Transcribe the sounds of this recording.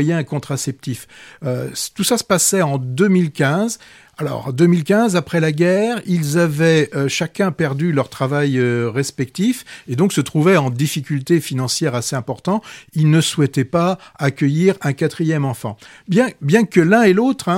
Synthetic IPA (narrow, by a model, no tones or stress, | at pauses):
jɛ̃kɔ̃t̪χasɛp̚t̪iføt̪usasə̥pasɛɑ̃d̪ømilkʲɛ̃z | alɔ̰ʁd̪ømilkʲɛ̃zapχɛlaɡʲɛʁilzavɛøʃakʲɛ̃pɛʁd̪ylœʁt̪χavajøʁɛspɛk̚t̪ifed̪ɔ̃ksət̪χuvɛɑ̃d̪ifikʲylt̪efinɑ̃sjɛʁaseɛ̃pɔʁt̪ɑ̃ilnəswɛt̪ɛpaakʲəjiʁɛ̃kat̪χijɛmɑ̃fɑ̰̃bjɛ̃bjɛ̃kəlɛ̃elot̪χɛ̃